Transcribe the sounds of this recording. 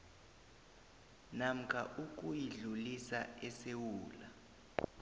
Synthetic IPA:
nam̩kʰʼa̰ʔuk̬ʼujiɮulisaɛsewuːla

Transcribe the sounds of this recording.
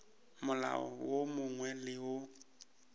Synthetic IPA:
mʊla̰ɔ̰womʊŋwɛlɪʊ

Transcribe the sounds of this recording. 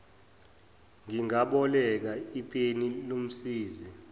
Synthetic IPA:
ŋiŋaɓɔlɛk̬aipʼenilom̩siːzi

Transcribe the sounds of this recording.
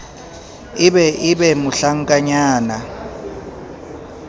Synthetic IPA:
iɓɛʔiɓɛmuɬaŋkʼaɲaːna

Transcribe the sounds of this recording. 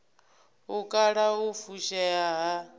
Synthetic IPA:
ɦukʼaɺaɦufuʃajaɦa

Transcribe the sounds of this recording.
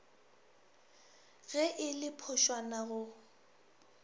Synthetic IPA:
ɣɛʔɪlɪpʰʊʃwanaɣʊ

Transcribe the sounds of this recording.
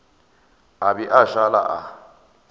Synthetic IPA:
abiʔaʃala̰ʔa̰

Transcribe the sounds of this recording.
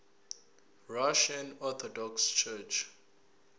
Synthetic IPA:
ɹaʃãnɔt̪ʰɔdɔkst͡ʃʰɛt͡ʃ

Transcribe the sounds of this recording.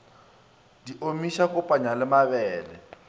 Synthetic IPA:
diʔomiʃakʊpʼaɲalɪmaβɛːlɛ

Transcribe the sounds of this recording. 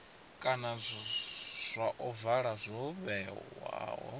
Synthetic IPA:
kʼana | z̥ʷaʔɔvaɺazʷɔβɛwa̰ːwɔ̰

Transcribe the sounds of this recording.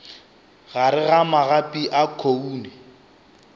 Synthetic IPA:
ɣaɾɪɣamaɣapʼiʔakʰouːnɛ

